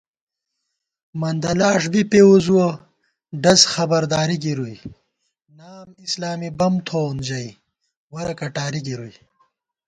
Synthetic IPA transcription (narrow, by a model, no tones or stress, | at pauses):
mɐnd̪ɐlaːʂbipeuzuɐ | ɖɐzxɐbɐɾd̪aːɾiɡiɾuj | naːmislaːmibɐmt̪ʰoːnd͡ʑɐj | wɐɾɐkɐʈaːɾiɡiɾuj